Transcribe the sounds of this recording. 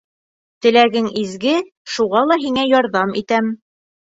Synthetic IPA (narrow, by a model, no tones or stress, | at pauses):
t̪ɘ̆læɡɘŋizɡɘ | ʃuʁɑlˠɑɦiŋæjɒɾðɑmit̪æm